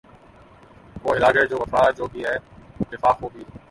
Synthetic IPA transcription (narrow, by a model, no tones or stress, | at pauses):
koːɪlaːɡed͡ʒoːʋɐfaːd͡ʒoːbiɦɛːɪt̪ːɪfaːkɦoːbi